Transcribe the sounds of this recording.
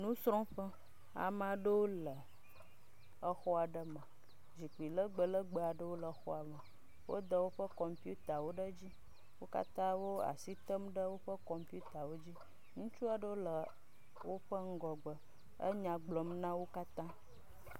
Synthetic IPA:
nũ˦sɾɔ̃˦ɸə˦ | a̰˨mã˦ɖə˦wo˦lə˨ | ə˦xɔ˦a˨ɖə˦mə̃˨ | d͡ʑi˨k͡pi˨lə˦ɡ͡bə˨lə˦ɡ͡bə˨a˨ɖə˦wo˦lə˨˦xɔ̰˦a˨mə˨ | wo̰˦d̪ə˦wo˦ɸə˦kɔ˨mpi˦u˦t̪a˨wo˦ɖə˦d͡ʑi˦ | wo˦ka̰˦t̪ã˦wo˦a̰˨si˦t̪ə˦mɖə˦wo˦ɸə˦kɔ˨mpu˦t̪a˨wo˦d͡ʑi˦ | ŋũ˦t͡ʃu˦a˨ɖə˦wo˦lə˨ | wo˦ɸə˦ŋ̩˦ɡɔ˨ɡ͡bə˨ | ə̰˦ɲã˨ɡ͡blɔ˨mnã˦wo˦ka˦t̪ã˦

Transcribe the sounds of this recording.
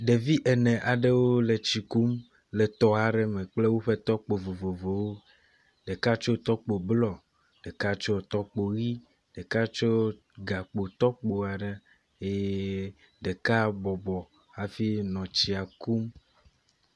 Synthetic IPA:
ɖe˨vi˦ʔe˨nɛ̃˨ʔa˨ɖe˦wo˦le˨t͡ɕi˨ku˦m | le˨t̪ɔ˦a˨ɖe˨mɛ̃˨k͡ple˦wo˦ɸe˦t̪ɔ˦k͡po˨vo˨vo˨vo˨wo˦ | ɖe˨ka˦t͡ʃo˦t̪ɔ˦k͡po˨blɔ˨ | ɖ̥e˨ka˦t͡ʃo˦t̪ɔ˦k͡po˨ɣi˦ | ɖ̥e˨ka˦t͡ʃo˦ | ɡa˨k͡po˨t̪ɔ˦k͡po˨a˨ɖe˨ | e˦ | ɖe˨ka˦bɔ˨bɔ˨ | a˨fi˦nɔ̃˨t͡ɕi˨a˨ku˦m

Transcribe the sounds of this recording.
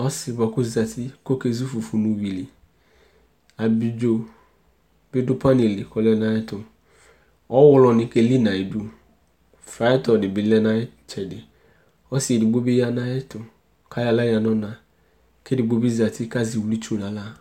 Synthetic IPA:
ɔ˦sɪ˨bɔ˨kʊ˦za˨tʰi˦ko˦ke˦zu˦fu˨fu˨nũ˨wi˨li˨ | a˨bi˨d͡ʒo˨ | bɪ˦dʊ˦pa˦ne˨li˨kɔ˨lɛ˦nã˨jɛ˦tʊ˨ | ɔ˦wʊ˦lɔ˨nɪ̃˨˦ke˦li˦nã˨e˨du˦ | fɾa˨˦ɛ˦tɔ˨dɪ˨bɪ˨lɛ˦na˨ɛ˦ | t͡ʃɛ˨dɪ˨ | ɔ˦sɪ˨dɪ˨ɡ͡bo˦bi˦ja˦nã˦jɛ˦tʊ˨ | kʰa˦ja˨la˦ja˨nɔ˦nã˨ | ke˦dɪ˨ɡ͡bo˦bi˦za˨tɪ˦ka˦zi˨wli˦t͡ʃu˦nã˨la˦˨

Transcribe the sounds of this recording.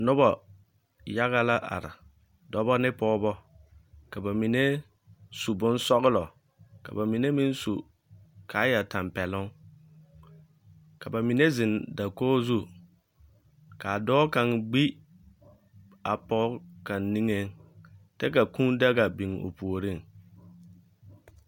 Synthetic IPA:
nʊ˦bɔ˨ | ja˦ɣa˦la˦ʔa̰˨ɾɪ̰˨ | dɔ˦bɔ˦nɪ˦pɔː˦bɔ˦ | ka˨ba˨mi˨ne˦ | su˨bʊ̃˦nsɔ˦ɣɪ˦lɔ˨ | ka̰˨ba˨mi˨ne˦mi˦nsu˨ | kʰa˨˦ja˨ta˨mpɛ˨lʊ˦ŋ | ka˨ba˨mi˨ne˦zɪ˨nda˨koː˦zu˦ | ka˨a˨dɔː˦ka˨ŋɡ͡bi˦ | a˨pɔː˦ka˨nːi˦ŋe˦ŋtɛ˦ka˨kũ˦nda˦ɡa˨bi˨ŋo̰˨pu˨o˨ɾi˦ŋ˨

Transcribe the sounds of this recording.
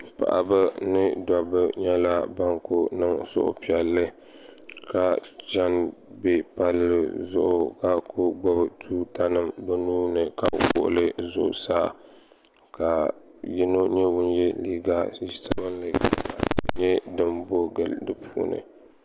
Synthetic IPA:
pa̰˨ʔa˨ba˦nɨ˦dɔ˨bɨ˦ɲɛ˦la˦ba˦ŋko˦nɨ˦ŋsʊ̰˦ʔʊ̰˨pi˨ɛ˨lːɨ˦ | ka˨d͡ʒa˦nbe˨pa˦lːɨ˨zʊ̰˦ʔʊ˨ka˨kʰʊ˦ɡ͡bɔ˦bɨ˨tʰuː˦ta˦nɨ˦mbɛ˦nuː˦nɨ˨ka̰˨wʊ̰˨ʔʊ̰˨lɨ˦zʊ̰˨ʔʊ˨saː˦ | ka˨ | ji˦no˦ɲɛ˦wʊ˦njɛ˦liː˦ɡa˦i˦sa˦bɨ˦n˦lɨ˨ | ɲɛ˦dɨ˨mbo˦ɡɨ˨ldɨ˦pʰuː˦nɨ̰˨

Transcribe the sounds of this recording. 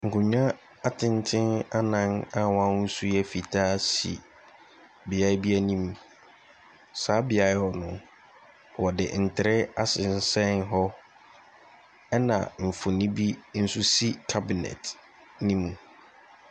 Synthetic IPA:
ŋ̩˨kʊ̃˨ɲã˦ | a˦tʰɪ̃˦n˦tʰɪ̃˦na˦nã˦na˦˨wã˦ʊ˦su˦jɛ˦fi˨tʰaː˦sḭ˨ | bɪ˨a˦bi˦æ˦nĩ˦m | saː˨˦bɪ˨a˨˦ɔ˨nʊ̃˨ | wɔ˨dɪ̰˨n̩˨tʰɪ˨ɾɪ˦a˦sɪ˨n̩˦sɛ̃˦nɦɔ˦ | ɛ˦nã̰˨ɱ̩˨fʊ˨nĩ˦bi˦n̩˦sʊ˦si˦kʰa˦bi˨nɛ̰˨t | nĩ˦mũ˨

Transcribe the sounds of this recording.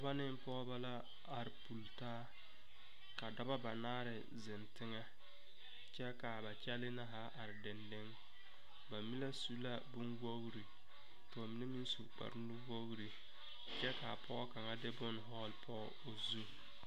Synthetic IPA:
a˨ba˦nɪ˦m˦pɔ˦ba˦la˦ | a˨ɾɪ˨pu˨ltaː˦ | ka˨dɔ˦ba˦ba˨naː˦ɾɪ˨ | zɪ˨ntɪ˦ŋa˦ | t͡ʃɛ˦ka˨ba˨t͡ʃɛ˦lɪ˦na˦ɦa˦ʔa˨ɾɪ˨dɪ˨nde˦ŋ | ba˨mi˦la˦su˦la˦bʊ˦nwo˦ɡɾi˨ | tɔː˨mi˨ne˦mi˦n˦su˨k͡pa̰˨ɾnʊ˦wo˦ɣɾi˨ | t͡ʃɛ˦ka˨pʰɔ˦ka˨ŋa˦dɪ˦bʊ˦n˨ɦɔ˦˨lpʰɔ˦˨o˨zu˦

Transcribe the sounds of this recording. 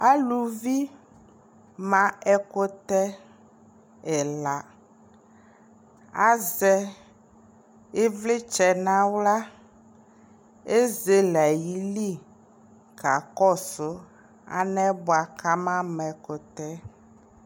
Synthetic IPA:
a˦lu˨vi˦ | mã˨ɛ˦ko˦t̪ɛ˦ | ɛ˨la˨ | a˦zɛ˦ | e˦vle˦t͡ʃɛ˨nã˦wla˦ | e˦ze˦la˨ji˦li˦ | ka˨kɔ˦so˨ | a̰˨nɛ̃˦bɔ˨a˨kʰa˦mã˦mɛ̃˨ko˨t̪ɛ˦

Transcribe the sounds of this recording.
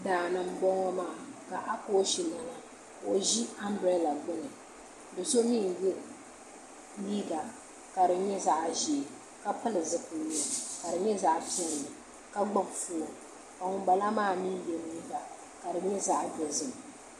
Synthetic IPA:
daː˨nɨ˨m˦ɡ͡bɔ˦ŋɔ˦maː˦˨ka˨ʔa˦ko˦ʃi˨la˨na˨ | o˨ʒi˦a˦mbɾɛ˦la˨ɡ͡bɨ˦lɨ˨ | dɨ˨so˦mi˦ŋ˨jɛ˦ | liː˦ɡa˨ | ka˨ɾɨ˨ɲɛ˦za˦ʔʒi˨ | ka˦pɨ˦lɨ˨zɨ˦pɨ˨˦ni˦˨ka˨dɨ˨ɲɛ˦za˦ʔpi˦ɛ˦lɨ˨mɨ˨ | ka˦ɡ͡ba˦ŋfu˦o˨ | ka˨ŋʊ˨˦ba˨la˦maː˦˨mi˦jɛ˨liː˦ɡa˨ | ka˨dɨ˨ɲɛ˦za˦ʔbɛ˨zɨ˨m˨

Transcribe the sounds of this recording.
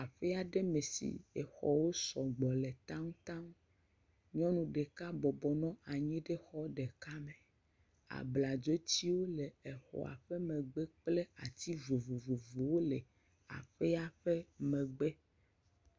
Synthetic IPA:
a˨ɸɛ˦a˨ɖe˦me˨sḭ˨e˨xɔ˦wo˦sɔ˨ɡ͡bɔ˨le˨t̪a˦ŋ˦t̪ã˦ŋ˦ | ɲɔ̃˦nũ˨ɖe˨ka˦bɔ˨bɔ˨nɔ̃˦a˨ɲĩ˦ɖe˦xɔ˦ɖe˨ka˦me˨ | a̰˨bla˨d͡ʒo˦t͡ɕi˦wo˦le˨ɛ˨xɔ̰˨a̰˨ɸe˦mẽ˨ɡ͡be˦k͡ple˦a˨t̪i˦vo˨vu˨vu˨vu˨wo˦le˨ | a̰˨ɸe˦a˦ɸe˦mẽ˨ɡ͡be˦

